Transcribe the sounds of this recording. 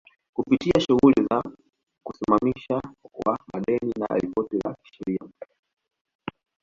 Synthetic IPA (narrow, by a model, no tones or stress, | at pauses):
kupitiaʃuɣuliza | kusimamiʃawamaɗɛnina̰ʔa̰lipɔtɛla̰ki̥ʃɛɾia